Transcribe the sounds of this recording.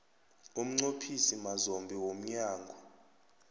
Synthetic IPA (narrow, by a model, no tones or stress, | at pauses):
um̩ŋ͡ǀopʰisimazombʱiwom̩ɲaːŋɡʱɔ